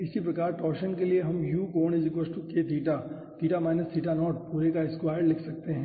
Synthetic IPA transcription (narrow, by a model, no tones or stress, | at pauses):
ɪsipɾɐkaːɾʈɔːɾʃənkelieɦɐmjuːkoːned͡ʒɪkʋəsʈuked̪ʱiːʈa | d̪ʱiːʈamaːɪnəsiːʈanɔːʈpuːɾekaɪskʋaːjəɽlɪkʰsɐk̚t̪eɦɛ̃ː